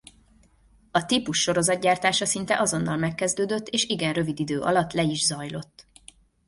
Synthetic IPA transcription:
ɒt̪ipuʃːo̞ɾo̞zɒd̪ɟaːrt̪aːʃɒsint̪ɛʔɒzo̞nːɒlmɛkːɛzd̪øːd̪ø̞t̪ːeːʃiɡɛnrø̞vid̪id̪øːʔɒ̰lɒt̪ːlɛiʒzɒjlo̞t̪ː

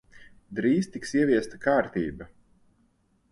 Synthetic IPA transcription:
d̪ɾiːst̪iksiɛvʲiɛst̪akaːɾt̪iːbɐ

